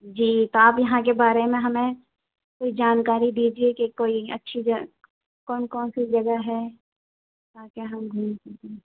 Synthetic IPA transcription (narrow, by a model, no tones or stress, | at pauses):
d͡ʒiːt̪oaːpjɐɦãkebaːɾemẽɦɐmẽ | koːid͡ʒaːnkaːɾid̪iːd͡ʒiekekoːiɐ̰tːʃʰid͡ʒɐ | kɔːnkɔːnsid͡ʒɐɡəɦɛ | t̪aːkeɦɐmɡʱuːmske